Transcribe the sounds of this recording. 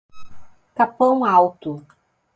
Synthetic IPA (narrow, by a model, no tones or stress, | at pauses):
kapɐ̃w̃awt̪ʊ